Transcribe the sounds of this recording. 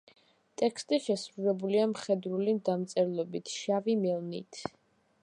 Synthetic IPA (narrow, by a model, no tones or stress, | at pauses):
t̪ʼɛkʰst̪ʼiʃɛsɾulɛbuliamχɛd̪ɾulimd̪amt̪sʼɛɾlˠɔbit̪ʰʃavimɛlˠnḭt̪ʰ